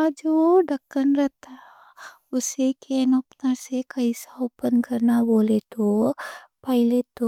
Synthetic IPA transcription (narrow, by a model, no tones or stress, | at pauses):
ad͡ʒoːɖəkːənɾɐt̪a | ʊsekenɐpnasekɐisaopənkɐɾnaboːlet̪o | pɐɦɪlet̪o